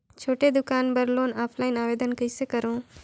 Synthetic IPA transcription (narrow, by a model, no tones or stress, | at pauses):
t͡ʃʰoːʈed̪ʊkaːnbəɾloːnaːpʰlaːinaːʋeːd̪ənkəjsekəɾõː